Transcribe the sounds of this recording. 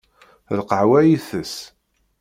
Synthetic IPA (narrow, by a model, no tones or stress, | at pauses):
lqəʕwæjiθəs